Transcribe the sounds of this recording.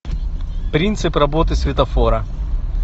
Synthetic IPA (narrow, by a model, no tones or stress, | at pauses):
pɾʲint̪sɨprɐbot̪ɨsʲvʲɪt̪ɐfoɾɐ